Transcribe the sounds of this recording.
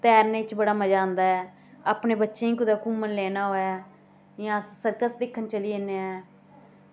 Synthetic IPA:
t̪ɛːɾneːt͡ʃbəɽaːməd͡ʒãːnd̪aːɛː | aːpneːbətːʃẽːĩːkʊd̪aːkuːmənlɛːnaːɦoːɛː | jãːsəɾkəsd̪ɪkʰːənt͡ʃəliːeneɛː

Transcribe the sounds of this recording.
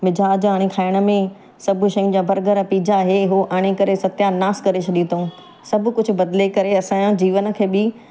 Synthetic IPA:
ʋɪd͡ʑʱaːd͡ʑoaːɽ̃ẽkʰaːɪɽ̃ə̆mẽ | sɐbʱʃɐĩd͡ʑabʱɐɾɡəɾpiːd͡ʑaɦeɦoːʔaːɽ̃ekɐɾesɐt̪janaːskɐɾet͡ɕʰɐɗĩt̪õː | sɐbʱʊ̆kʊd͡ʑʱʊ̆bɐd̪lekɐɾeɐsãːjãd͡ʑiːʋənə̆kʰeːbɪ

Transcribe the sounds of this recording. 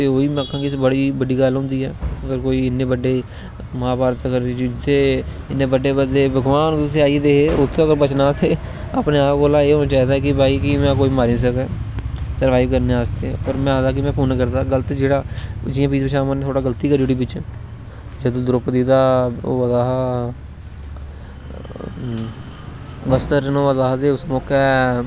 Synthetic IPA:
t̪eːoːiːm̃ːəkʰãːkisbəɽiːbəɖiːɡəlɦʊ̃ːnd̪iːɛːəɡəɾkoːiːɪnːẽːbəɖeː | mãːbaːɾt̪əɡəɾd͡ʒɪd̪eː | ɪnːẽːbəɖeːbəd̪eːbəɡʋaːnseːaːied̪eːkeːʊt̪ʰːẽːəɡəɾbət͡ʃnaːt̪ʰeː | əpneːaːpɡoːlãːeːɦoːnaːt͡ʃaːɦiːd̪aɦɛːkɪbaːiːkɪmɛ̃ːkoːimaːɾiːns̬əkɛ̃ːsəɾʋaːɪʋkəɾnẽːaːst̪epəɾmɛ̃ːaːd̪aːk̬ɪmɛ̃ːpuːnːkəɾd̪aːɡələt̪d͡ʒeːɽaːd͡ʒɪːãːpiːd͡ʒpəʃaːmənt̪ʰoːɽaːɡəlt̪iːkəd͡ʒʊɽiːbɪt͡ʃ | d͡ʒəd̪õːd̪ɾʊpd̪iːd̪aːʋəzaːɦ | bəst̪əɾnõːʋəzaːɦd̪eːʊsmʊkɛː

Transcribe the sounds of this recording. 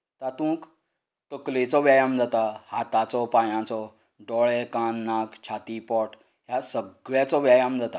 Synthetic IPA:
t̪at̪ũːk | t̪əklet͡sɔʋjajamd͡zʱat̪ahat̪at͡sɔpajãt͡sɔ | ɖɔɭɛkanːakt͡ɕʰat̪ipɔʈ | ɦjasəɡɭjat͡sɔʋjajamd͡zʱat̪a

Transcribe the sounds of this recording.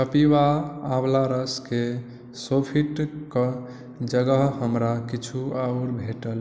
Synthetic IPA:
kəpiwaːblaɾəske | sopʰiʈkə | d͡ʒəɡəɦhəmɾakit͡ʃʰuauɾbʱeʈəl

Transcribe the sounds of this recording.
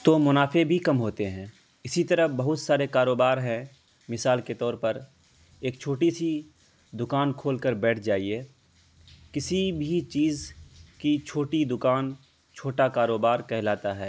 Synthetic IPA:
t̪oːmʊnaːfebʱikɐmɦoːt̪eɦɛ̃ː | ɪsit̪ɐɾəbɐɦʊt̪saːɾekaːɾoːbaːɾɦɛ̃ | mɪsaːlket̪ɔːɾpɐɾ | eːkt͡ʃʰoːʈisi | d̪ʊkaːnkʰoːlkəɾbɛːʈʰd͡ʒaːieː | kɪsibʱit͡ʃiːzkit͡ʃʰoːʈid̪ʊkaːn | t͡ʃʰoːʈakaːɾoːbaːɾkɛɦlaːt̪aɦɛː

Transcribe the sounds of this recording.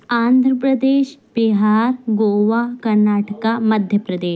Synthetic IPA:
and̪ʱɾəpɾəd̪eːɕbiɦaɾɡoʋakəɾnaʈəkaməd̪ʱjəpɾəd̪eː

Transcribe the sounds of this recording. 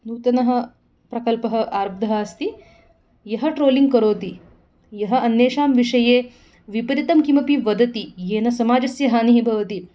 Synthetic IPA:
nuːt̪ɐnɐɦɐ̆ | pɾɐkɐlpɐɦɐ̆ʔaːɾb̚d̪ʱɐɦaːst̪i | jɐɦɐʈɾoːliŋɡ̚kɐɾoːt̪i | jɐɦɐ̆ʔɐnːeːʂaːmʋiʂɐjeː | ʋipɐɾit̪ɐmkimɐpiʋɐd̪ɐt̪ijeːnɐsɐmaːd͡ʒɐsjɐɦaːniɦibʱɐʋɐt̪i

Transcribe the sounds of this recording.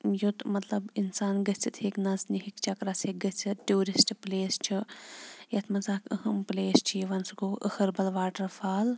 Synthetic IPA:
jut̪mɐt̪lɐbinsaːnɡɐt͡sʰit̪ʰheːknɐzniɦikt͡ʃʰɐkɾɐseːɡɐt͡sʰiʈuːɾisʈʰpleːst͡ʃʰi | jɐt̪ʰmɐzaːkəhɐmpleːst͡ʃʰiiʋɐnsɡoːʔəhɐɾbɐlʋaːʈɐɾfʰaːl

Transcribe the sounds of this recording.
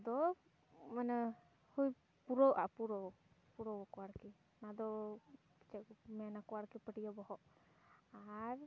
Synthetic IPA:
d̪ɔ | manɛ | huj | puɾɔʔapuɾɔ | puɾɔbɔkɔwaɾki | nad̪ɔ | ki̥t͡ʃɛmɛnakɔwaɾkipəʈijɔbɔhɔʔ | aɾ

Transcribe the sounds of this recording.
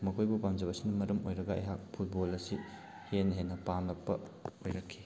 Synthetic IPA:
mɐkʰojbupamd͡ʒɐbɐsinɐmɐɾɐmo̰jɾɐɡɐɐ̰jɦak̚pʰut̚bolɐsi | henɦenːɐpamlɐk̚pɐ | ojɾɐkʰːi̥

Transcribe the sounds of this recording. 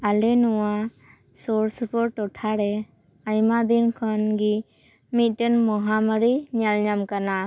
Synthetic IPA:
alɛnɔwa | sɔɾspɔɾʈɔʈʰaɾɛ | ajmad̪inkʰɔnɡi | mit̪̚ˀʈɛnmɔɦaməɾiɲalɲamkana

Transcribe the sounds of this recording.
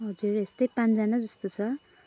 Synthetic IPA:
ɦʌd͡zurest̪ʌjpãnt͡sd͡zanad͡zʌst̪ot͡sʰʌ

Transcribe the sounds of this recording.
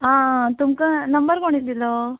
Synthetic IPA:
aːt̪umkɐnɐmbɐɾkoɳɖid̪ilːo

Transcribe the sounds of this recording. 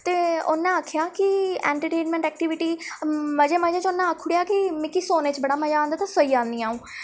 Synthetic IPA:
t̪eːʊnːãːakʰjaːkɪɛ̰̃ːɳʈəʈeːnmɛ̃ɳʈɛːk̚ʈɪːʋɪʈiːməd͡ʒeːməd͡ʒaːt͡ʃʊnːãəkʰʊɽjaːkɪmɪ̃kisoːneːt͡ʃbəɽaːməd͡ʒaːnd̪aːt̪ãsəiːãːnd̪iːaːũː

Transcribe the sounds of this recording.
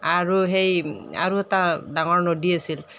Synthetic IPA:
aɹuɦeja̰ɹuɛtadaŋɔɹnodiasil

